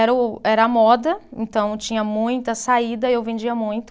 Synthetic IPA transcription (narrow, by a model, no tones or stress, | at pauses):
ɛɾɐʊɛɾɐamɔd̪ɐḛ̃nt̪ɐ̃w̃t͡ʃĩɲɐmũj̃t̪ɐsaid̪ɐewvẽd͡ʒiɐmũj̃t̪ʊ